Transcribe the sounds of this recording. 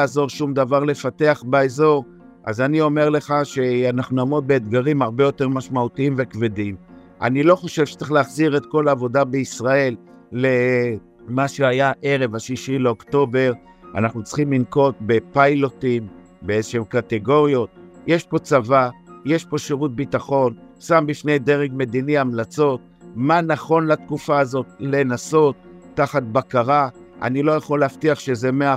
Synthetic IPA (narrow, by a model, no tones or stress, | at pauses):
aːzo̞ʁʃumd̪avaʁle̞fate̞aχbaezo̞ʁ | ʔa̰zanio̞me̞ʁle̞χaʃe̞anaχnunaːmʁo̞t̪̚be̞ːd̪ɡaʁimaʁbejo̞te̞ʁmaʃmautiimve̞kvedim | ʔa̰nilo̞χo̞ʃevʃe̥t͡seχleaχziʁe̞t̪ko̞laːvo̞dabeisʁae̞lː | e̞ | maʃeajaʔe̞ʁe̞vaʃiʃileokto̞be̞ʁ | a̰naχnut͡sχimlinko̞t̚be̞pajlo̞tim | beezeʃeemkate̞ɡo̞ʁio̞t̪̚jeʃpo̞t͡savaje̞ʃpo̞ʃeʁut̚bit̪aχo̞nsambifnejde̞ʁeɡme̞diniamlat͡so̞t̚ | manaχo̞nlat̪kufaːzo̞t̪le̞naso̞t̪ːaχat̪̚bakaʁa | ʔa̰nilo̞jaχo̞lːeaftiaχʃe̞ze̞mea